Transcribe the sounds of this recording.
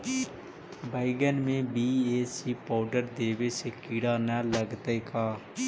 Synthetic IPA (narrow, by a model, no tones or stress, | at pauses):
baːɪɡənmẽːbiːeːsiːpaːɖəɾd̪eːʋeːseːkiːɽaːnɛːləɡt̪eːkaː